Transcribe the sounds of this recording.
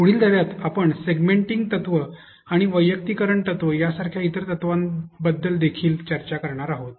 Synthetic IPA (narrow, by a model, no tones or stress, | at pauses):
puɽ̤iːld̪ʱəʋjat̪apəɳseɡmeɳʈiŋɡ̚t̪ət̪ʋə | aɽ̃iʋəjːək̚t̪ikəɾəɳt̪ət̪ʋəjasaɾkʰjait̪əɾt̪ət̪ʋanbəd̪ːəld̪ekʰiːlt͡ɕəɾt͡ɕakəɾɳ̃aɾaɦot̪̚